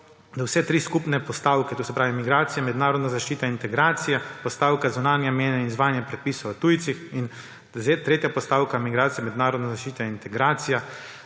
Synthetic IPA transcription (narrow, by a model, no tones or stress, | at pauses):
d̪awsɛt̪ɾiːskupnɛpɔst̪aːwkɛt̪oːsɛpɾaːʋimiɡɾaːt̪sijɛmɛd̪naːɾɔd̪nazaʃt͡ʃiːt̪aint̪ɛɡɾaːt̪sijɛpɔst̪aːwkazunaːnjameːnɛinizʋaːjnjɛpɾɛt̪̚piːsot̪ujt̪sixin | zet̪ɾeːt̪japɔst̪aːwkamiɡɾaːt̪sijamɛd̪naːɾɔd̪nazaʃt͡ʃiːt̪aint̪ɛɡɾaːt̪sija